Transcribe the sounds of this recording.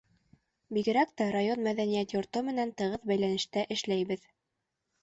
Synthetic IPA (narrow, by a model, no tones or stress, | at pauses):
biɡɘ̆ɾækt̪æɾajonmæðænijæt̪jŏɾt̪omɘ̆nænt̪ɤ̆ʁɤðbæjlænɘ̆ʃt̪æʔɘ̆ʃlæjbɘð